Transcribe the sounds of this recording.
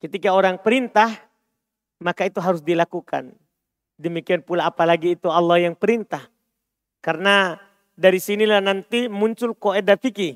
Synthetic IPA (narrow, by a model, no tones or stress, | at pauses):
kət̪ikaoɾaŋpəɾint̪ah | makait̪uɦaɾusdilakuka̰n | dəmikianpulaːpalaɡiːt̪ualːahjaŋpəɾint̪ah | kaɾna | daɾisinilahnant̪imuɲt͡ʃʊlkoedafiki